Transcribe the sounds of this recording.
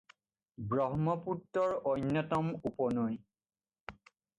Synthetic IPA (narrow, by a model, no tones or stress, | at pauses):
bɹɔɦmɔputːɔɹɔjnːɔtɔmupɔnoj